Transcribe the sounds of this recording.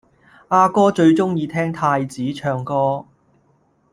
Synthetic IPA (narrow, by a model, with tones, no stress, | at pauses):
aː˧kɔː˥t͡ʃɵ˧ɥt͡ʃʊ˥ŋjiː˧t̪ʰɛː˥ŋt̪ʰaː˧jt͡siː˨˥t͡ʃʰœː˧ŋkɔː˥